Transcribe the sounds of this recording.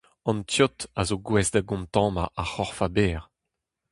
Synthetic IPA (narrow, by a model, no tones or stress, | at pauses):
ɑ̃ntjɔt̪azoɡwɛzd̪aɡɔ̃mt̪ɑ̃ːma̰ʔaχɔʁfabɛːʁ